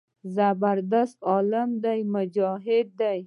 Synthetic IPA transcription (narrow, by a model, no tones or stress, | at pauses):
zabaɾd̪ast̪ɔlamd̪ajmʊd͡ʒɔɦɪd̪̚ːaj